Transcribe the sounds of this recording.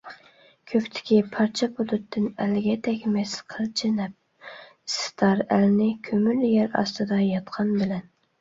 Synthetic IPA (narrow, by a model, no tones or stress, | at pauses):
kʲʰøpt̪ʰɪ̥kʲipʰɑɾt͡ʃʰɛpʰod̪ut̪ʰːɪnælɪɡʲɛd̪ɛkʲmɛsqʰəlt͡ʃʰɪnɛp̚ | st̪ʰɑɾælnɪkʲʰømyɾljæɾɑ̰st̪ɨd̪ɑjɑt̪qʰɑnbɪlɛn